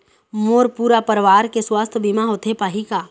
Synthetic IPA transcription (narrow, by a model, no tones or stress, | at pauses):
moːɾpuːɾapəɾʋaːɾkeswaːst̪ʰbimaɦoːt̪ʰepaːɦikaː